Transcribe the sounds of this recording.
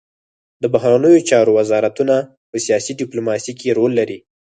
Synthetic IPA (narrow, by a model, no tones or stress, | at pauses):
d̪əbaɦɾanəjot͡ʃɑɾowazɑɾat̪una | pəsijɑsiɖɪplomɑsikeɾolːaɾi